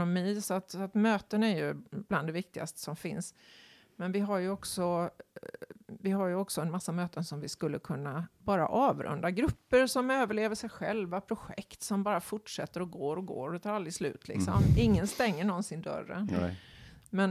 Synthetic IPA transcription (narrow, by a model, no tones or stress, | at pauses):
nʊmiːsɔat̪sat̪møːt̪ənæɾjɵb̥land̪ɛvɪk̚t̪ɪɡa̰st̪ə̥sɔmfɪ̰ns | mɛnvɪɦaɾjɵɔksɔ | vɪɦaɾjɵɔksɔɛnmasːamøːt̪ənsɔmvɪskɵlːəkʰɵnːabɑːɾa̰ʔɑːvɾɵ̰nd̪aɡɾɵpːəsɔmøːvəɭeːvəʂɛjɧɛlvapʰɾʊɧɛ̰kt̪sɔmbɑːɾafʊʈʂɛt̪ːəɾɔɡoːɾɔɡo̰ːɾt̪ʰɑːɾalɾɪslʉ̟̰ːt̪ʰlɪ̰ksɔ̰mɪŋːənst̪ɛŋːəɳɔnsɪnd̪œ̰ɾːə̰n | mɛn